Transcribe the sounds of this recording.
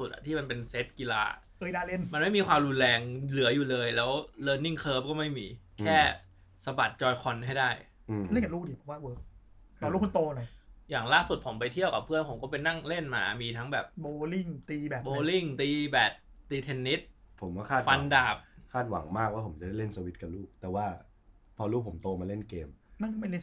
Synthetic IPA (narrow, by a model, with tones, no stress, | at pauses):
su˨˩ʔa̰˨˩t̪ʰiː˥˩ma˧npe˧nse˦˥t̪̚ki˧la̰ː˧ | ʔɤː˧jdaː˧˩le˥˩nma˧nma˥˩jmiː˧kʰwaː˧mɾu˧nlɛː˧ŋlɯ˩˦ɐjuː˨˩lɤː˧jlɛː˦˥wlɤː˧nːi˥˩ŋkʰɤː˦˥p̚kɔː˥˩ma˥˩jmiː˧kʰɛː˥˩ | sa˧ba˨˩t̪̚t͡ɕɔː˧jkʰɔ˧nɦa˥˩jdaː˥˩j | ʔɯ˩˧le˥˩a˨˩luː˥˩diː˧˩pʰɔ˦waː˥˩wəː˦˥k̚ | ɔː˨˦luː˥˩kʰu˧nt̪oː˧na˨˦jaː˨˩ŋlaː˥˩su˨˩t̪̚pʰo˩˦mpa˧jt̪ʰi˥˩əwka˨˩pʰɯ˥˩ənpʰo˩˦mkɔː˥˩pe˧jna˥˩ŋle˥˩nma̰ː˧miː˧t̪ʰa˦˥ŋbɛː˨˩p̚boː˧li˥˩ŋt̪iː˧bɛ˨˩boː˦˧li˥˩ŋt̪iː˧bɛː˨˩t̪̚d̪iː˧t̪ʰe˧nːi˦˥t̪̚pʰo˩˦mkɔ˥˩kʰaː˥˩t̪fa˧ndaː˨˩p̚kʰaː˥˩t̪̚wa̰˨˩˦ŋmaː˥˩k̚waː˥˩pʰo˩˦mt͡ɕa˨˩da˥˩le˥˩nsa˧wi˦˥t̪̚ka˨˩luː˥˩k̚t̪ɛː˨˩waː˥˩ | pʰɔː˧luː˦˥˩pʰo˩˦mt̪oː˧maː˧le˥˩nkeː˧mna˥˩nkɔ˥˩ma˥˩le˥˨